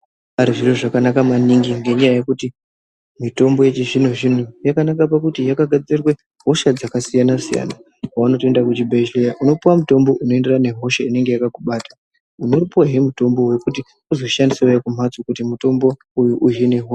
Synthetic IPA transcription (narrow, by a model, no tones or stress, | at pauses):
aɾiʐiroʐakanakamaniŋɡiŋɡe̞ɲajajekuti | mito̞mbo̞jet͡ʃiʐin̤uʐin̤ujakanakap̬akutijakaɡʱad͡zirwe | ɦo̞ʃad͡zakasijanasija̰ːna | kawano̞toendakut͡ʃibʱeʒojaʔuno̞puwamuto̞mbo̞ʔuno̞e̞nde̞rane̞ɦo̞ʃaine̞ŋɡe̞jakakuɓaːtḁ | uno̞ɾipoɦeɾemuto̞mbo̞we̞kuti | uzo̞ʃandisaojakum̤at͡sokutimuto̞mbo̞ | ujuʔujene̞ɦo